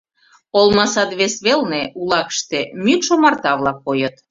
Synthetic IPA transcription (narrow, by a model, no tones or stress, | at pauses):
olˠmɑsɑt̪βesβelneulɑkə̥ʃt̪emyk̪ʃomɑrt̪ɑβlɑkːojɤt̪